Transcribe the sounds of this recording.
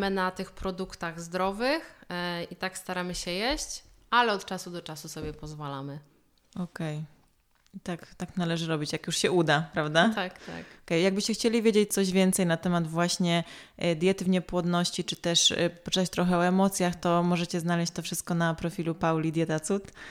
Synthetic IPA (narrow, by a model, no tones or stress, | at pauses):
mɘnat̪ɘxpɾɔd̪ukt̪aɣzd̪ɾɔvɘxit̪akst̪aɾamɘɕɛjɛɕt͡ɕalɛɔt̪t͡ʂasud̪ɔt͡ʂasusɔbʲjɛpɔzvalamɘ | ɔkɛj | it̪akt̪aknalɛʐɘɾɔbʲit͡ɕjakjuʂɕɛud̪apɾavd̪at̪akt̪a̰kɔkɛjjaɡ̚bɘɕt͡ɕɛxt͡ɕelʲivʲjed͡ʑet͡ɕ̚t̪sɔʑvʲjɛnt̪sɛjnat̪ɛmad̪vwaɕɲɛd̪ʲjɛt̪ɘvɲɛpwɔd̪nɔɕt͡ɕit͡ʂɘ̥t̪ɛʂpɔ̥t͡ʂɘ̥t̪at͡ɕt̪ɾɔxɛɔɛmɔt̪sʲjaxt̪ɔmɔʐɛt͡ɕɛznalɛɕt͡ɕʲt̪ɔfʂɘst̪̚kɔnapɾɔfʲilupawlʲid̪ʲjɛt̪at̪sut̪